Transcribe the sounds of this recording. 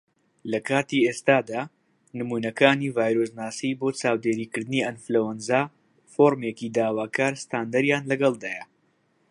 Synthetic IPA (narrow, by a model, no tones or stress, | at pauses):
lɐkʰaːt̪iːeːst̪aːd̪aː | nɨmuːnɐkaːniːvaːjɾosnaːsiboːt͡ʃaːwd̪eːɾiːkɨɾd̪ɨniːɐnflɐwɐnzaː | foːɾmekid̪aːwaːkʰaːɾst̪aːnd̪ɐɾjaːnlɐɡɐlˠd̪aːjɐ